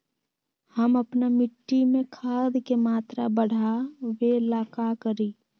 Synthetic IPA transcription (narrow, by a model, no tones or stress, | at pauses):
həməpnamɪʈːimẽkʰaːd̪kemaːt̪ɾabəɽ̤awelaːkakəɾiː